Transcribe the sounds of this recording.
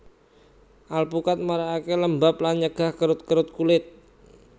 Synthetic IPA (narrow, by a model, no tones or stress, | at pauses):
ʔalpukat̪̚maɾaakeləmbaplaɲəɡ̥ahkəɾʊt̪̚kəɾʊt̪̚kulɪt̪̚